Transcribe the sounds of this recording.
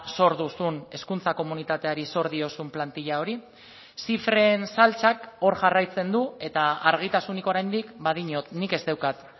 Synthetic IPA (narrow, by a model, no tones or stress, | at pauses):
so̞ɾðusune̞skunt͡sako̞munit̪at̪e̞aɾiso̞ɾð̞io̞sumplant̪iʎao̞ɾi | sifɾe̞ːnsalt͡sako̞ɾʝarajt͡se̞nd̪ue̞t̪aaɾɣ̞it̪asuniko̞ɾajnd̪ikbaðiɲo̞t̪nike̞zd̪e̞wkat̪